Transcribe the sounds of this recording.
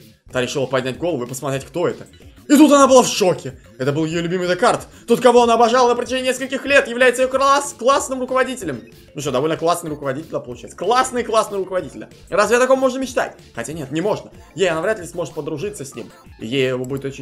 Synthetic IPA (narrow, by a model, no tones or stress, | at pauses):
t̪aɾʲɪʂɨlˠəpɐdʲnʲætʲɡolˠəvʊɪpəsmɐt̪ɾʲetʲkt̪o̞ɛt̪ə | ɪt̪ut̪ɐnabɨlˠafʂokʲɪ | ɛt̪əbɨlˠjɪjolʲʉbʲimɨjd̪ɨkart̪ | t̪ːo̞t̪̚kɐvo̞ɐnaːbɐʐalˠənəpɾətʲɪʒʐenʲːneskəlʲkʲɪxlʲe̞t̪jɪvlʲæjt̪səɪjokɾasklˠasnɨmrʊkəvɐdʲitʲɪlʲɪm | nuʂt̪od̪ɐvolʲnəklˠasnɨjɾʊkəvɐdʲitʲɪlʲd̪apəlˠʊt͡ɕæjɪt̪sə̥klˠasnɨjəklˠasnɨjɾʊkəvɐdʲitʲɪlʲə | razvʲɪjat̪ɐkommo̞ʐnəmʲɪt͡ɕt̪a̰tʲ | xɐtʲanʲet̪nʲɪmo̞ʐnə | jejɐnavɾʲat̪lʲɪsmo̞ʐɨt̪̚pəd̪ɾʊʐɨt̪səsʲnʲḭm | ḭjejɪvobudʲɪt̪ot͡ɕɪ